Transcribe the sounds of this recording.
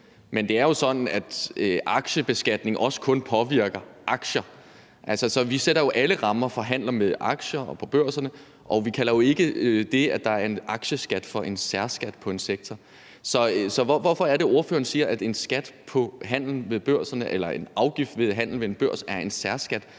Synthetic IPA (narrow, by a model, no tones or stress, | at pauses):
mend̥e̝æɐjo̝sɒ̽dn̩æd̥øʔɑ̈ɡ̥ɕəb̥e̝sɡ̥æd̥ne̝ŋʔɒ̽sə̥kʰɔ̽npʰɒ̽ʋiɐ̰ɡ̥ɐʔɑ̈ɡ̥ɕɐ | ʔælsɐsɒ̽ʋiseɾ̥ɐjo̝ʔæləʁɑ̈mɐfɒ̽ɦæn̰lɐmeðˠʔɑ̈ɡ̥ɕɐpʰɒ̽b̥øɐ̰sɐnə | ʔɒ̽ʋikʰæl̰ɐjo̝e̝ɡ̥əd̥e̝æd̥ɑ̈æɐe̝nɑ̈ɡ̥ɕəsɡ̥æd̥fɒ̽ʔe̝nsæɐsɡ̥æd̥pʰɒ̽e̝nseɡ̥̚t͡sʰɒ | sɒ̽sɒ̽ʋɒʋɒfɒ̽æɐɾe̝o̝ɐføːɐnsiːɐʔæd̥e̝nsɡ̥æd̥pʰɒ̽ɦæn̰l̩ʋe̝ðˠb̥øɐ̰sɐnəʔelɐe̝nɑ̈ʊɡ̥ifd̥ʋe̝ðˠɦæn̰l̩ʋeenb̥ɶɐ̰sæɐe̝nsæɐsɡ̥æd̥